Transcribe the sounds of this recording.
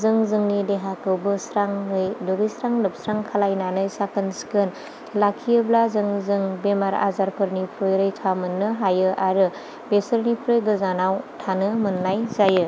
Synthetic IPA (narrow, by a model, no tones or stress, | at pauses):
zɯŋzɯŋnideɦakɯwbɯsɾaŋɯjdoɡisɾaŋlɯp̚sɾaŋkʰalajnanɯjsakʰɯnskɯn | lakʰijɯblazɯŋzɯŋbemaɾa̰zaɾpʰɯɾnipʰɾojɾɯjtʰamɯnːɯɦajɯʔaɾɯ | besɯɾnipʰɾojɡɯzanawtʰanɯmɯnːajzajɯ